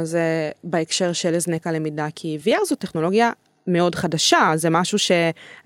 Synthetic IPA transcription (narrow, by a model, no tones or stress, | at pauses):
zebaekʃe̞ʁʃeleznekalemidakʰiviaʁzoteχno̞lo̞ɡja | me̞o̞dχadaʃazemaʃuʃe̞